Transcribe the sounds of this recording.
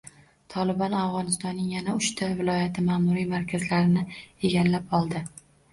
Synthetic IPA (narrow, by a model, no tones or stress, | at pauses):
t̪ʰɒlɪbɒnavʁɒnɪst̪ɒnːɪŋjanaʊʃt̪ʰavɪlˠɒjat̪ʰɪmaːmʊɾijmaɾkʲʰazlaɾɪnɪe̞ɡʲalːapɒlˠd̪ɪ